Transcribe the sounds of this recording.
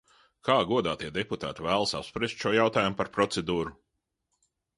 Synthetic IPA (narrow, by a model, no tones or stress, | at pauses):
kaːɡuɔd̪aːt̪iɛd̪ɛput̪aːt̪ivæːlˠsapspɾist̪ʃuɔjawt̪aːjumupaɾpɾɔt̪sed̪uːɾu